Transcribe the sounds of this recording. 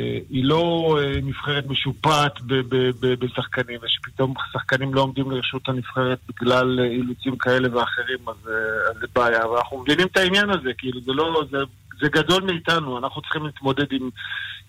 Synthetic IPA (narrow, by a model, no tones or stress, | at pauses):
eilo̞emifχeʁet̪me̞ʃupat̪bebebebesaχkanimveʃe̥pit̪o̞msaχkanimlo̞omd̪imliʁeʃut̪hanifχe̞ʁet̪̚biɡlalilut͡simkae̞le̞veaχe̞ʁimazeazebaːjavaanaχnumevinimt̪ainjanaze̞kiiluzelo̞ze | zeɡado̞lmiitanuanaχnutt͡si̥χimliːt̪mo̞d̪e̞dim